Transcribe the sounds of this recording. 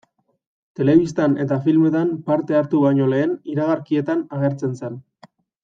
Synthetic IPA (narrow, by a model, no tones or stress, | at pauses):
t̪e̞le̞βist̪ane̞t̪afilme̞t̪ampaɾt̪e̞aɾt̪uβaɲo̞le̞ːniɾaɣ̞aɾkie̞t̪anaɣe̞ɾt͡se̞nsen